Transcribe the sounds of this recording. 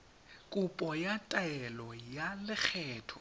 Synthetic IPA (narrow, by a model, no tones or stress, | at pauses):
kʼʊpʼɔjatʼaɛlɔjalɪk͡xʰɛːtʰɔ̥